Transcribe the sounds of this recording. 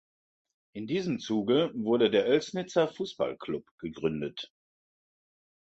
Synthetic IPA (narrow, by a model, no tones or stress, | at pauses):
ʔɪndiːzəmt͡suːɡəvʊɐdədeːɐʔɛlsnɪt͡sɐfuːsb̥a̰lkʰl̥ʊpɡ̥əɡʁʏndət